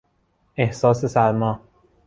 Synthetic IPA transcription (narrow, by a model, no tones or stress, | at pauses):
ehsɒːsesæɾmɒː